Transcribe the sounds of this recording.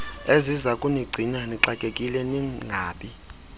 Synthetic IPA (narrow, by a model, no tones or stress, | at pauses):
ezizakʼuniɡ͡ǀʱinaniǀakʼekʼilɛniŋɡʱaːɓʼi